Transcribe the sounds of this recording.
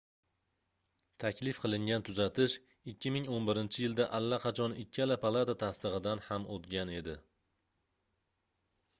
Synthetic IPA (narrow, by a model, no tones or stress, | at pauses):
t̪ʰakʲlɪfqʰɨlˠɪŋɡʲant̪ʰʊzat̪ʰɪʃ | ɪkʲʰːɪmɪŋonbɪɾɪnt͡ʃʰɪjɪld̪aʔalːaqʰɑt͡ʃʰɒnɪkʲʰːalapʰalˠat̪at̪ʰast̪ɨʁɨd̪anhamʔot̪ɡʲane̞d̪ɪ